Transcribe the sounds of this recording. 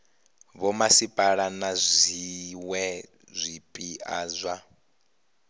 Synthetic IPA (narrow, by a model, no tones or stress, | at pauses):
βɔmasipʼaɺanazʷiwɛ | zʷipʼiaːzʷa